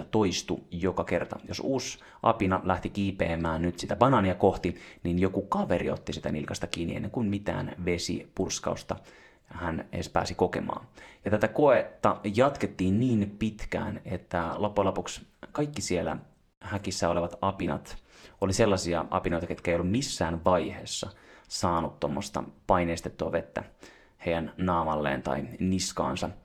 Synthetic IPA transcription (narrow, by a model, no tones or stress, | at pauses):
t̪oist̪ujokɑke̞rt̪ɑ̰josuːs | ʔɑ̰pinɑlæht̪ik̟iːpḛːmæːnnyt̪sit̪æpɑnɑnjɑkoht̪ininjokukɑʋeɾḭot̪ːisit̪ænḭlkɑst̪ɑk̟iːniḛnːeŋkunmit̪æ̰ːnʋe̞sḭpurskɑ̰ust̪ɑ̰ | hænḛspæ̰ːsiko̞kḛmɑ̰ːjɑt̪æt̪ækoet̪ːɑjɑt̪ket̪ːiːnniːnpit̪kæ̰ːnet̪ːælopːulopukskɑjkːisielæ̰ | hækisːæoleʋɑt̪ɑpinɑ̰t̪oliselːɑsiɑ̰ʔɑ̰pino̞jt̪ɑket̪kæeijolːummisːæːnʋɑjheːsːɑsɑːnut̪t̪omːost̪ɑ̰pɑineːst̪et̪ːuɑʋe̞t̪ːæ̰ | hejjænnɑːmɑlːḛːnt̪ɑ̰iniskɑ̰ːnsɑ